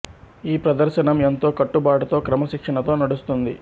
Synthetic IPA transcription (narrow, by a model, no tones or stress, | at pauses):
iːpɾɐd̪ɐɾʃɐnɐme̞nt̪o̞ːkɐʈːubaːʈut̪o̞ːkɾɐmɐʃikʂɐɳɐt̪o̞ːnɐɽust̪und̪i